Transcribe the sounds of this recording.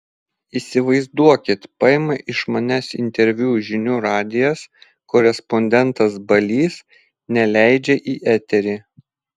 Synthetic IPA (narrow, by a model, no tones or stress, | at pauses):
iːsʲɪʋɐɪzd̪uɔkʲɪt̪pɑɛmɐʔɪʃmɐnʲɛsɪ̰nʲt̪ʲɛɾʲʋʲuːʒʲɪnʲuːɾɑːd̪ʲɪjɛs | kɔɾʲɛspɔnʲd̪ʲɛnˑt̪ɐsbɐlʲiːs | nʲɛlʲæˑɪd͡ʒʲɛʔiːʔæt̪ʲɛɾʲiː